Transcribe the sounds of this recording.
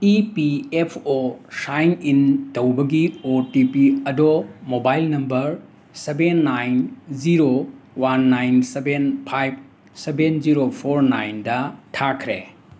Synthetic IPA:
ipiepʰosajnintɐwbɐɡiotipiɐdomobajlnɐmbɐɾ | sebenːajnziɾowanːajnsebenpʰajb̚ | sebenziɾopʰoɾnajndɐtʰakʰɾḛ

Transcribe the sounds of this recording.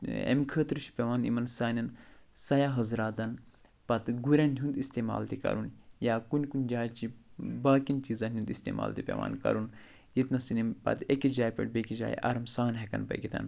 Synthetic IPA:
ḛmkʰəːt̪ɾʃʰi̥pʲeʋaːnḭmɐnsaːnɐnsɐjaːɦɐzɾaːt̪ɐn | pɐt̪ɡuɾʲanʲjund̪ist̪eːma̰ːlt̪ikɐ̰ɾunjaːkunʲkunʲd͡ʒaːjt͡ʃibaːkint͡ʃiːzɐnʲund̪ist̪ḛːma̰ːlt̪ipʲḛʋa̰ːnkɐ̰ɾun | jit̪nɐsinimpɐ̰t̪ekid͡ʒaːjpʲɐ̰ʈbekid͡ʒa̰ːj̰ʔɐ̰ɾɐmsaːnɦekɐ̰npɐ̰ɡit̪ʰɐ̰n

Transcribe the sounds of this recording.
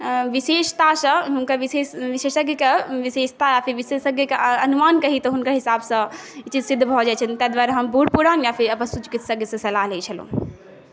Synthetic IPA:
ʋiseːʃt̪asɐɦunkaʋiseʋiʃeːʃəɡəkeʋiseːʃt̪ajapʰiɾʋisesəɡəkeɐnumaːnkɐɦit̪ɔɦunkaɦisaːbsɐ̃it͡ʃid͡ʒsid̪ʱːbʱɔd͡ʒat͡ʃʰənt̪ɛd̪ʋaːɾaɦɐmbuɽpuɾaːnjapʰiɾɐpənsut͡ʃkit̪səɡəsɐ̃sɐlaɦleit͡ʃʰəlõ̰ː

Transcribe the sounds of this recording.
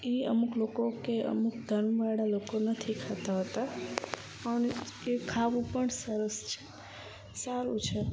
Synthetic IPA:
iə̰muklokokeʔə̰mukd̪ʱəɾmʋaɽalokonət̪ʰikʰat̪aɦət̪a | ənekʰaʋũpəɳsəɾəst͡ʃʰe̥ | saɾũt͡ʃʰe

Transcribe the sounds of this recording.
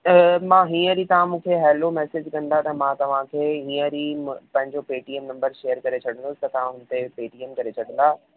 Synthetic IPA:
mãɦĩːə̃ɾit̪ɐʋ̤ãmũːkʰeɦɛːlomɛːsed͡ʑkɐ̃n̆d̪at̪ɐmãt̪ɐʋ̤ãkʰeːɦĩːə̃ɾipɐ̃ɦɪ̃ɲd͡ʑopeːʈiːɛmnɐ̃mbəɾʃejəɾkɐɾet͡ɕʰɐɽ̤ə̃nd̪ost̪ɐt̪ɐãɦʊnt̪epeːʈiɛmkɐɾet͡ɕʰɐɽə̃nd̪aː

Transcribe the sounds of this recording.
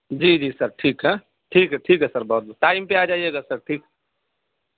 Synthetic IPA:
d͡ʒiːd͡ʒiːsɐɾʈʰiːkɦɛ | ʈʰiːkɦɛʈʰiːkɦɛsəɾbɔːt̪̚bɔːt̪ʈaːɪmpeaːd͡ʒaːieːɡasɐɾʈʰiːkɦɛ

